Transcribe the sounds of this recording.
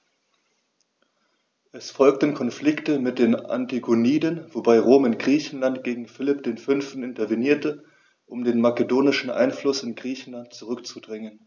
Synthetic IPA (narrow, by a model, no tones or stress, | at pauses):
ʔɛsfɔlk̚tn̩kʰɔnflɪktəmɪt̚d̥eːna̰ntiɡoniːdənvobaɪʁoːmɪnɡ̥ʁiːçn̩lantɡ̥eːɡŋ̩fɪlɪpd̥eːnfʏnftn̩ɪntɐveniːɐtə | ʔʊmdeːnmakədoːnɪʃn̩ʔa̰ɪnflʊsɪnɡʁiːçn̩lant̚t͡suʁʏkt͡sudʁɪŋən